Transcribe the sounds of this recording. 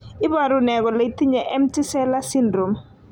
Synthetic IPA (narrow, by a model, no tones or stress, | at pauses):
ɪbaɾunɛɡɔlɐjtiɲaʔɛmtisɛlasindɾom